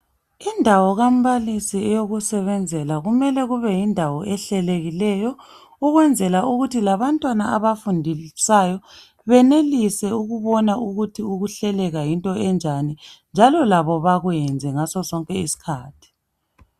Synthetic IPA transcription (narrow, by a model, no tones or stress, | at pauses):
indʱawɔɣam̩βalisiɛjoɣusɛβɛnd͡zʱɛlaɣumɛlɛɣuβɛjindʱawɔʔɛɬɛleɣilɛjɔ | uɣwɛnd͡zʱɛlaʔuɣutʰilaβantʼwanaaβafundʱisajɔ | βɛnelisɛuɣuβɔnaʔuɣutʰiuɣuɬɛlɛɣajintʼɔɛnd͡ʒʱanind͡ʒʱalɔlaβɔβaɣujɛnd͡zʱɛŋasɔsɔŋkʼɛisi̥kʰaːtʰi̥